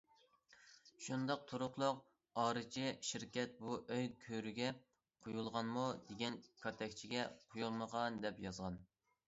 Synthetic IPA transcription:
ʃund̪ɑq̚t̪ʰoɾʊχlˠʊq̚ | ɑːɾɨt͡ʃʰiʃiɾkʲɛt̪̚buʔøjkʲʰøɾyɡʲɛ | qʰojulˠʁɑnmud̪eɡʲɛnkʰɑt̪ʰɛkʲt͡ʃʰiɡʲɛqʰojulˠməʁɑnd̪ɛpjɑzʁɑn

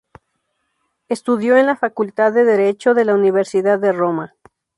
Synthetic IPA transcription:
est̪uðjo̞enlafakult̪aðːe̞ðe̞ɾe̞t͡ʃo̞ðe̞launiβe̞ɾsiðaðːero̞ma

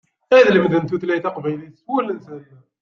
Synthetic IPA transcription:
æðləmðənt̪uθlæjt̪ɑqvæjliswælənsælæ

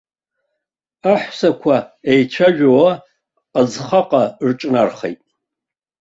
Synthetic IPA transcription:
aħʷsakʷʰaejt͡ʃʷʰaʒᶣawaː | d͡zχaqʼarʈ͡ʂʼnarχḛjtʼ

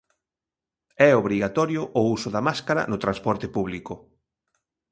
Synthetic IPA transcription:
ɛoβɾiɣat̪ɔɾjʊʔousʊðɐmaskaɾɐ̰nʊt̪ɾanspɔɾt̪ɪpuβlikʊ

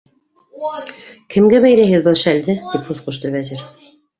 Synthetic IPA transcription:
kʰɘ̆mɡæβæjlæɦɘðbɤlˠʃæld̪ɘt̪iphʉðqŭʃt̪ɤβæziɾ

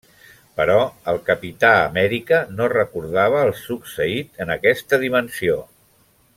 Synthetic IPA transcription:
pəɾɔəlˠkəpit̪aə̰mɛɾikənorəkuɾðaβ̞əːlˠsuksəit̪ənəkɛst̪əðimənsio

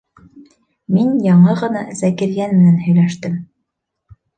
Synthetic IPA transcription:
minjɑɴɤʁɤ̆nɑzækɘ̆ɾɡænmɘ̆nænhɵ̆jlæʃt̪ɘm

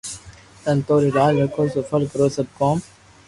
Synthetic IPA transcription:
t̪ɐnt̪oːɾid̪aːlʋɐkʰoːsofɐlkɐɾoːsɐb̚koːm

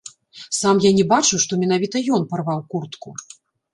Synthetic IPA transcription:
samjanʲɛbat͡ʂɨwʂt̪ɔmʲɛnavʲit̪ɐjɔnparvawkurt̪ku

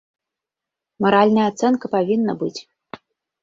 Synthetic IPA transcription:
mɐɾalʲnɐjəat̪sɛnkɐpavʲinːəbɨt͡sʲ

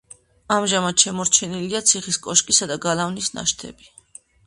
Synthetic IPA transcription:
amʒamat̪ʃɛmɔɾt͡ʃʰɛniliat̪sʰiχiskʼɔʃkʼisad̪aɡalavnisna̰ʃt̪ʰɛ̰bi

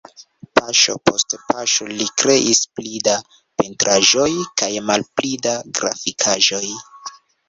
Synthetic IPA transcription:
paʃo̞̰po̞stpaʃo̞likɾe̞ʔisplida | pentɾʔaʒo̞jkajmalplidaɡɾa̰fikʰaʒo̞j

